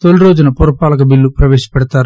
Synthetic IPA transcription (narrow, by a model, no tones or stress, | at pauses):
t̪oluɾo̞ːd͡ʒunɐpoɾupaːlɐkɐbilːupɾɐʋeːʃɐ̥pɛɽɐt̪aːɾ